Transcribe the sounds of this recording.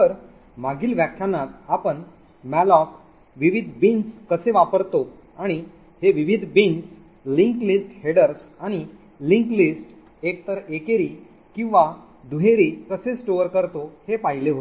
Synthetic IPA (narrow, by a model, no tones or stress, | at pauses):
t̪əɾ | maɡiːlʋjakʰːjanːat̪apəɳ | mɛlɔk | ʋiʋid̪ʱbinskəseʋapəɾt̪o | aɽ̃i | heʋiʋid̪ʱbins | liŋklisʈheɽəɾsaɽ̃i | liŋklisʈ | ek̚t̪əɾekeɾiː | kĩw̃ʋa | d̪uɦeɾikəsesʈoəɾkəɾt̪ohepaɦileɦot̪